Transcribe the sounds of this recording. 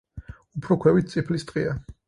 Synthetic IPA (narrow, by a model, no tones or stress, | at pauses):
upʰɾɔkʰwɛvit̪̚t̪sʼipʰlist̪ʼqʼia